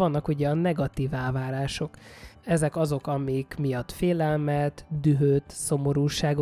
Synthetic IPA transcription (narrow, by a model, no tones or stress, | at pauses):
ɒnːɒkuɟɛɒnɛɡɒt̪iːvɛlvaːɾaːʃo̞kɛzɛkɒzo̞kɒmikmijɒt̪ːfeːlɛlmɛt̪d̪yɦøːt̪so̞mo̞ɾuːʃaːɡo